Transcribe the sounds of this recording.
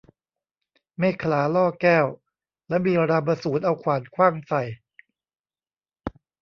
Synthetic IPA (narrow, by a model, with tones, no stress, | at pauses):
meː˥˩kʰlaː˩˦lɔː˥˩kɛː˥˩w | lɛ˦˥miː˧ɾa˧bɾa˧suː˩˦nʔa˧wkʰwaː˨˩˦nkʰwaː˥˩ŋsa˨˩j